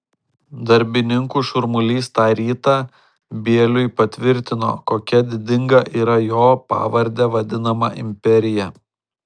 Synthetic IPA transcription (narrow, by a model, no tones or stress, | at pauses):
d̪ɐɾʲbʲɪnʲɪŋkuːʃʊɾmʊlʲiːst̪ɑːɾʲiːt̪ɑː | bʲiɛlʲʊɪpɐt̪ʲʋʲɪɾʲt̪ʲɪno̰ːkoːkʲɛd̪ʲɪd̪ʲɪŋɡɐʔiːɾɐjoːpɑ̰ːʋɐɾʲd̪ʲɛʋɐd̪ʲɪnɐmɐʔɪ̰mʲpʲɛɾʲɪjɛ